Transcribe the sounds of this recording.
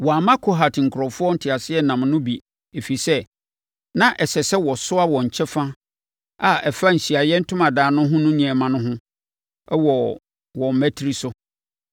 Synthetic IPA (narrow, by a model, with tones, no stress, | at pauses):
wɔ˨a˨mã˦kʰo˦ɦa˨tʰŋ̩˨kʰʊ˨ɾɔ˨fʊ˦ɔ˦n̩˨tʰɪ˨a˨sɪ˦ɛ˦nã˨mnʊ̃˦bi˨ | e˨fi˨sɛ˦ | nã˦ʔɛ˨ɕɛ˨sɛ˦wɔ˨sʊ˦a˦wɔ̃˨ɲ̩˨t͡ɕʰɛ˦fã˦ | a˨ɛ˨fa˦ɲ̩˨ɕi˨a˨jɛ˦n̩˦tʰʊ̃˦mã˨daː˨nʊ̃˦ɦʊ̃˦nʊ̃˦ɲĩ˨ɛ˨mã˦nʊ̃˦ɦʊ̃˦ | ɛ˦wɔ˨ | wɔ̃˨m̩˨mæ˦tʰɾi˨sʊ˦